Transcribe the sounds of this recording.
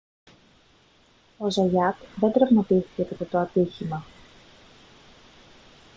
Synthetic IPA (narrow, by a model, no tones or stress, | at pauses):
o̞zɐʝɐkðe̞nd̪ɾɐvmɐt̪iθi̥cepit̪et̪oɐt̪içimɐ